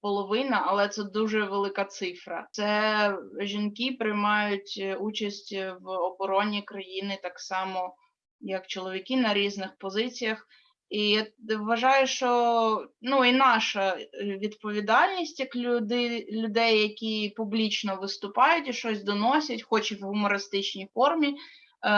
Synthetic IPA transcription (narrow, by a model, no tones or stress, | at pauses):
pɔlˠɔʋɪnɐɐlˠɛt̪sɛd̪uʒɛʋelˠɪkat̪sɪfɾɐ̰sɛ | ʒʲinkipɾɪjmɑjʊtʲut͡ʃɐsʲtʲʋɔbɔɾɔnʲikɾɐjinɪt̪ɑksɑmɔ | jɐkt͡ʃɔlˠɔʋʲikʲinɐɾʲiznɪxpɔzɪt͡sʲijɐx | ijʋːɐʒɑjʊʃt͡ʃɔnuinɑʃɐʋʲid̪pɔʋʲid̪ɑlʲnʲisʲtʲjɐkʲd̪ɪlʲʊd̪ɛjːɐkʲipʊblʲit͡ʃnɔʋɪst̪ʊpɑjʊtʲiʃt͡ʃɔsʲd̪ɔnɔsʲɐtʲxɔt͡ʃɪʋɦʊmɔɾɪst̪ɪt͡ʃnʲijfɔrmʲi